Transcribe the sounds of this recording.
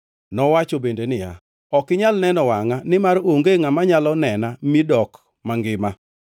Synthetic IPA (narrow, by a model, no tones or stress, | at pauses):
nɔwat͡ʃobendenɪja̰ | ɔkɪɲalnɛnɔwaŋanɪmaɾoŋɡeŋamaɲalɔnɛnamidɔk | maŋɡɪma